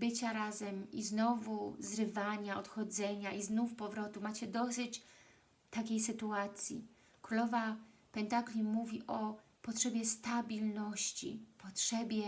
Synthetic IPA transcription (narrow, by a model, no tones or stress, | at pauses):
bɘt͡ɕaɾazɛmiznɔvuzɾɘvaɲaɔt̪xɔd̪zɛɲaʔiznufpɔvɾɔt̪umat͡ɕɛd̪ɔsɘt͡ɕ | t̪akʲejsɘt̪uat̪sʲjḭ | kɾulɔvapɛnt̪aklʲimuvʲiʔɔ | pɔtʂɛbʲjɛst̪abʲilnɔɕt͡ɕḭpɔtʂɛbʲjɛ